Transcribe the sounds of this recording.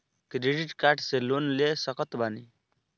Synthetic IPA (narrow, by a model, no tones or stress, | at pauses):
kɾeɖiʈkaʈselonlesəkɔt̪bani